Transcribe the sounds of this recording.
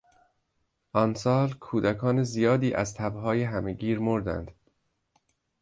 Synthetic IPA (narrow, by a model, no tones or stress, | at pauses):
ʔɒnsɒːlkʰuːd̪ækʰɒːnezijɒːd̪iːʔæzt̪ʰæbɦɒːjeɦæme̞ɡiːɾmoɾd̪æ̰nd̪̥